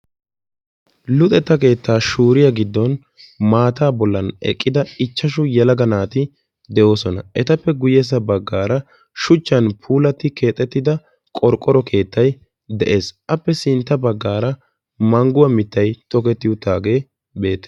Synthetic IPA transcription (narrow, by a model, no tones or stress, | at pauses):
lʊt̪ʼɛt̪ːɐke̞ːt̪ːaːʃuːɾɪjɐɡɪd̪ːɔn | maːt̪aːbɔlːɐnɛ̰kʼːɪd̪ɐɪt͡ʃːɐʃʊjɐlɐɡɐnaːt̪ɪ | d̪ɛʔo̞ːsɔnɐ̰ʔɛt̪ɐpːɛɡʊjɛs̬ɐbɐɡːaːɾɐ | ʃʊt͡ʃːɐnpʰuːlɐt̪ːɪke̞ːt̪ʼːɛt̪ːɪd̪ɐ | kʼɔɾkʼːɔɾɔkʰe̞ːt̪ːɐj | d̪ɛʔe̞ːsʔɐpːɛsɪnt̪ːɐbɐɡːaːɾɐ | mɐŋɡʊwɐmɪt̪ːɐjt̪ɔkɛt̪ːɪʊt̪ːaːɡe̞ː | be̞ːt̪ːe̥